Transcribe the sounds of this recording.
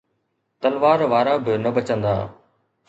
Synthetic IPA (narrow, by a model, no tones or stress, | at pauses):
t̪ɐlʋaːɾʋaːɾabɪnɐbɐt͡ɕə̃nd̪a̰ː